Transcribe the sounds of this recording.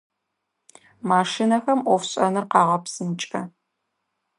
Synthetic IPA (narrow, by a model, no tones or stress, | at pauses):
maːʂinɐxɐmʔʷɔfɕʼɐ̰nɨrqɑːʁɐpsɨmt͡ʃʼɐ